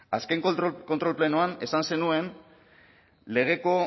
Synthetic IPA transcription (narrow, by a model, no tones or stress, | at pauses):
askeŋkko̞nt̪ɾo̞lplenoane̞sanse̞nue̞n | le̞ɣ̞e̞ko̞